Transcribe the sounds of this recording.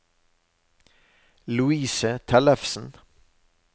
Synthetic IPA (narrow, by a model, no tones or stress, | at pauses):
lʉiːsət̪ʰɛləfsn̩